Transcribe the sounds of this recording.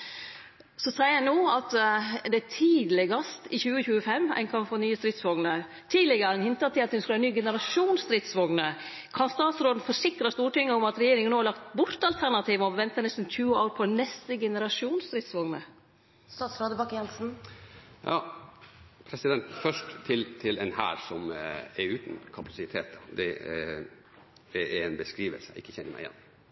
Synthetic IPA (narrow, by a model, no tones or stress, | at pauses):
sɔsæɪəɾæɪnoːɑt̪d̪ɛæt̪ʰiːd̪lɪɡɑst̪ɪçʉːəçʉːəfɛmːæ̰ɪnkʰɑmfɔnyːəst̪ɾɪt̪sʋɔŋnə | t̪ʰiːd̪lɪɡəɾɛnhɪnt̪ɑt̪ʰɪlɑt̪ʰːɛnsklænyːɡɛnəɾɑʃuːnst̪ɾɪt̪sʋɔŋnə | kʰɑnst̪ɑːt̪sɾoːd̪n̩fɔɾsɪkɾəst̪uːʈɪŋːəʊmɑt̪ɾɛjeːɾɪŋənoːhɑɭɑkt̪bʊɾt̪ɑlt̪ʰæɾɳɑt̪ʰiːʋəɔʋɛnt̪ənɛst̪n̩çʉːəoːɾpʰɔnɛst̪əɡɛnəɾɑʂuːnst̪ɾɪt̪sʋɔŋnə̰ | st̪ɑːt̪sɾoːd̪əbɑkːjɛnsn̩ | jɑː | pʰɾɛsɪd̪ɛnt̪fœʂʈt̪ʰɪlt̪ʰɪlɛnhæ̰ːɾsɔmɛɾʉːt̪nkʰɑpʰɑsɪt̪ʰeːt̪d̪ɛ̰ | d̪ɛɾɛnbəskɾiːʋə̰lsəɪ̰kːəçɛnːəɾmæ̰ɪjɛ̰nː